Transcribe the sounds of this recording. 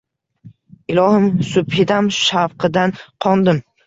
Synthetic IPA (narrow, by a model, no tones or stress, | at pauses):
ɪlˠɒhɪmsʊbhɪd̪amʃafqʰɨd̪anqʰɒnd̪ɪm